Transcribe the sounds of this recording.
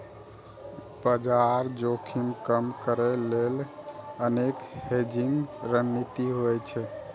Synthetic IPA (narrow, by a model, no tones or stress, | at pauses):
bəd͡ʒaɾd͡ʒokʰimkəmkəɾɛlelənekhed͡ʒiŋɡɾənːit̪iɦojt͡ʃʰɛ